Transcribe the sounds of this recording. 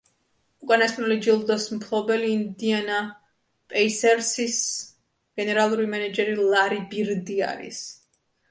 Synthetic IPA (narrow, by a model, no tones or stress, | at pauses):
ukʼanasʼnulid͡ʒilˠd̪ɔsmpʰlˠɔbɛliːnd̪iana | pʼɛisɛɾsis | ɡ̥ɛnɛɾalˠuɾimɛnad͡ʒɛɾilˠaɾibiɾd̪ia̰ɾḭs